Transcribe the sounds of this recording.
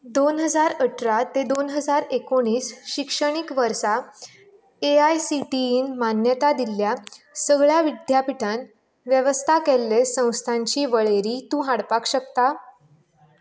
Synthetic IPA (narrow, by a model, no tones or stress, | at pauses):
d̪onɦəd͡zaɾəʈʰɾat̪ed̪onɦəd͡zaɾekoɽ̃iːsɕikʂəɽ̃ikʋəɾsa | eajsiʈiinmanjət̪ad̪iljasəɡɭjaʋid̪ʱjapiʈʰan | ʋjəʋəst̪ʰakelːesə̃w̃st̪ʰaɲt͡ɕiːʋəɭeɾiːt̪ũːɦaɽpakɕəkt̪a